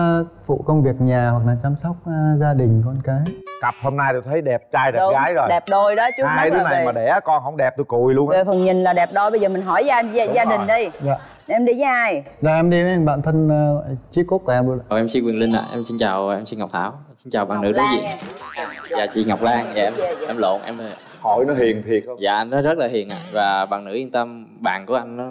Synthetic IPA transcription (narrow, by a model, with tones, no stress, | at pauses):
fṵ˧˨kə˧wŋ͡mvi˨˩ək̚ɲaː˨˩hwa˨˩k̚laː˨˩t͡ɕa˧msɔ˦˥wk͡p̚ːzaː˧ɗï˨˩ŋ̟kɔ˧nkaː˨˦jka˨˩p̚ho˧mnaː˧jt̪u˧˩t̪ʰə˨˦jɗɛ˨˩p̚t͡ɕaː˧jɗɛ˨˩˨ɣaː˨˦jzo˨˩jɗɛ˨˩p̚ɗo˧jɗɔ˨˦t͡ɕu˨˦˧a˧jɨ˨˦na˨˩˨aː˨˩ɗe˧˩˧kɔ˧nhə˧wŋ͡mɗɛ˨˩p̚t̪u˧˦jku˨˩jlu˧ənʔfə˨˩ŋɲï˨˩ŋ̟laː˨˩ɗɛ˨˩p̚ɗo˧jɓə˧jzəː˨˩mï˨˩ŋ̟ɦɔ˧˩ja˧˨zaː˧ɗï˨˩ŋ̟ɗi˧jzaː˧˨˧ | mɗi˧˨za˨˦ʔaː˧˩j | zaː˨˩ʔɛ˧mɗi˧mʔɛ˧mɓa̰ː˧˨nt̪ʰə˧ŋː˧t͡ɕi˦˥kːo˦˥t̚k̚a˨˩ʔɛ˧mɓɨ˧˩˨wʔɛ˧msi˧nkwi˨˩əli˧n̟ʔa̰ː˧˨ʔɛ˧msi˧nt͡ɕaː˨˩wʔɛ˧msi˧nŋ˨˩k͡p̚t̪ʰaː˧˩wsi˧nt͡ɕaː˨˩wɓa̰ː˨˩nɨ̰˧˥ɗə˨˧˦zḭ˧˨ | zaː˨˩t͡ɕḭ˧˨ŋa˨˩wk͡p̚laː˧ŋaː˨ʔɛ˧m˧ʔɛ˧mlo̰˧˨˩nʔɛ˧mə˨˩ | hɔ˧˩jnɔ˨˦ɦi˨˩əŋt̪ʰi˨˩ək̚zaː˨˩ʔa˧jnːɔ˨˦zə˦˥laː˨˩ɦḭ˨˩əna̰ː˧˨vaː˨˩ɓa̰ː˨˩ŋnɨ̰˧˥i˧ŋt̪ə˧m | ɓa̰ː˨nku˧˩əʔa˧jŋ̟nɔ˨˦